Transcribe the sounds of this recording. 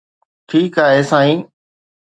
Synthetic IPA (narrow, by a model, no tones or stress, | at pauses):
ʈʰiːkaːɦeːsaːĩː